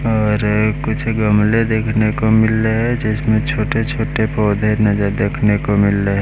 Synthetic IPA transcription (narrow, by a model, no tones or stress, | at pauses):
ɔːɾkʊt͡ʃʰɡəmled̪eːkʰnekomɪleɦɛd͡ʒɪsmẽt͡ʃʰoːʈet͡ʃʰoːʈepɔːd̪ʱenɐzəɾd̪eːkʰnekomɪleɦɛ